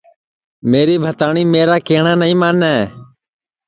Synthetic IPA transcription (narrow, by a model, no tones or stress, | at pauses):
meːɾiːbʱət̪aːɳiːmeːɾaːkeːɳãːnəĩːmaːnɛː